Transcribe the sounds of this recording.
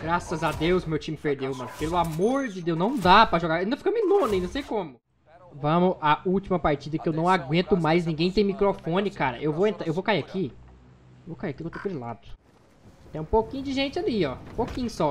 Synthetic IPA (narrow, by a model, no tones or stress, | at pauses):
ɡɾasɐzad̪ewsmewt͡ʃĩmɪpeɾd̪ewmɐ̃nʊpelʊamoɾd͡ʒɪd̪ewznɐ̃w̃d̪apɾɐʒoɡaɾĩd̪ɐfikɐ̃minõnɐ̃j̃nɐ̃w̃sejkõmʊ | vɐ̃mʊɐuwt͡ʃimɐpaɾt͡ʃid̪ɐkɪewnɐ̃w̃aɡwẽnt̪ʊmajznĩɡẽj̃t̪ẽj̃mikɾofõnɪkaɾɐ̰ʔewvowẽnt̪ɾaewvowkaiakʰi | ewvowkaiaɐkiõt̪ẽpʊɾɪla̰d̪ʊ̥ | t̪ɛ̃ũpokĩɲʊd͡ʒɪʒẽnt͡ʃɪaliɔũpokĩɲʊsɔ